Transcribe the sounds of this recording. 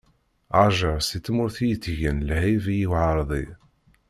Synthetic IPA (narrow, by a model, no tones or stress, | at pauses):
ʕaʒəʁsit͡sːmʊɾθijət͡sːʝənlhivijiwʕɑɾˤðˤḭ